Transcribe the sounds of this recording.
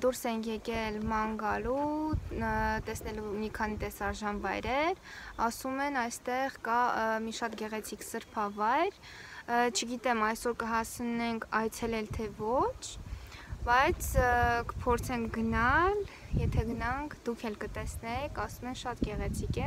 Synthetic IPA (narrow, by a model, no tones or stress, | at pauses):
d̪uɾsɛŋkʰjɛkɛlmɑŋɡɑlu | t̪ɛsnɛlumikʰɑnit̪ɛsɑɾʒɑnvɑjɾɛɾɑsumɛnɑjst̪ɛʁkɑmiʃɑt̪ɡɛʁɛt͡sʰiksəɾpʰɑvɑjɾ | t͡ʃʰəɡit̪ɛmɑjsɔɾkəɦɑsnɛŋkʰɑjt͡sʰɛlɛlt̪ʰɛvɔt͡ʃʰbɑjt͡sʰkə̥pʰɔɾt͡sʰɛŋkʰɡənɑl | jɛt̪ʰɛɡənɑŋkʰd̪ukʰɛlkət̪ɛsnɛkʰɑsumɛnʃɑt̪ɡɛʁɛt͡sʰikɛ